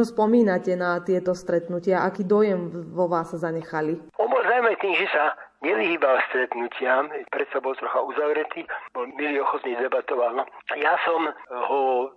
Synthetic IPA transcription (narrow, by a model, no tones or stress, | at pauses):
ɔspɔmiːnacɛnat̪ɪɛt̪ɔst̪ɾɛt̪nucɪaʔakiːd̪ɔjɛmʋɔʋaːsːazaɲɛxaliɔnbɔlzawmɛt̪iːmʒɛsaɲɛʋiɦiːbalst̪ɾɛt̪nucɪapɾɛt̪sabɔlt̪ɾɔxauzaʋɾɛt̪iːbɔlmiliɔxɔt̪nid̪ɛbat̪ɔʋalnɔjasɔmhɔ